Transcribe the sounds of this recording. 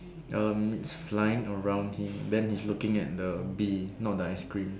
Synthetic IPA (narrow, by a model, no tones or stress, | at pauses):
ʔʌmitsflajɪ̃ŋəɹãʊ̃ndhĩmdɛ̃nhislukɪ̃ŋɛ̰t̚dəbinɔt̚dəaɪskɹĩm